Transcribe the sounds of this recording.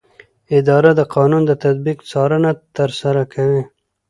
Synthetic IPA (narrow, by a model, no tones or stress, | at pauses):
ɪd̪ɑɾad̪əqʰɑnund̪ət̪ad̪̚biqt͡sɑɾənat̪əɾsaɾakʰawi